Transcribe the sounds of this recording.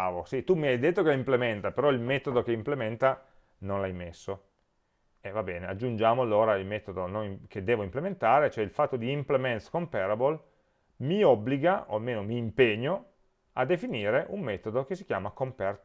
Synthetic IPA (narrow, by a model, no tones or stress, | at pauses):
vosit̪umiajd̪et̪ːokeimplemɛnt̪apeɾɔilmɛːt̪od̪okeimplemɛnt̪a | nonlajmesːo | evabɛːnead͡ʒːund͡ʒaːmoalːoːɾailmɛːt̪od̪ononik̟ed̪ːeːvoimplement̪aːɾet͡ʃoɛilfat̪ːod̪iːmplemɛnt̪skompɛɾabol | miɔbːliɡaʔo̰almeːnomiːmpeɲːo | ad̪ːefiniːɾeʔumːeːt̪od̪ok̟esːikjaːmakompɛrt̪